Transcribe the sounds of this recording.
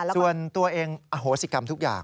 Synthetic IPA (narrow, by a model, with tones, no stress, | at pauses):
su˨˩ənt̪u˧ɐʔeː˧ŋʔa˧ɦoː˩˦si˨˧˩ka˧mt̪ʰu˦˥k̚ja̰ː˨˩ŋ